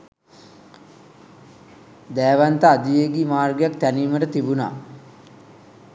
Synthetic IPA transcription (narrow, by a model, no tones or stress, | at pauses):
d̪æːʋant̪əad̪ijeɡiːmaːrɡjak̚t̪æniːməʈət̪ibuna̰ː